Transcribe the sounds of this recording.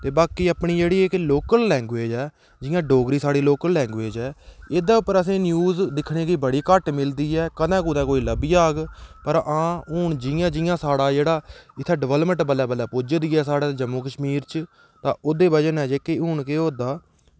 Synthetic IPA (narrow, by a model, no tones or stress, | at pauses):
t̪eːbaːkiːəpɳiːd͡ʒeːɽiːɪkloːkəlːɛ̃ːŋɡʋeːd͡ʒɛː | d͡ʒɪːjãːɖoːɡɾiːsaːɽiːloːkəlːɛ̃ːŋɡʋeːd͡ʒɛːeːd̪aːʊpːəɾəs̬ĩːnjuːzd̪ɪkʰɳeːɡiːbəɽiːkəʈmɪld̪iːɛːkəd̪ɛ̃ːkuːd̪ɛ̃ːkoːiːləbiːaːɡpəɾãːʊːɳd͡ʒɪjãːd͡ʒɪjãːsaːɽaːd͡ʒeːɽaːɪt̪ʰːɛːɖɪʋəːlmə̃ɳʈbəlɛːbəlɛːpoːd͡ʒd̪iːɛːsaːɽaːd͡ʒəmːoːkəʃmiːɾt͡ʃ | t̪ãːʔʊd̪eːbəd͡ʒənɛːd͡ʒeːkeɦʊːɳkeːoːd̪aː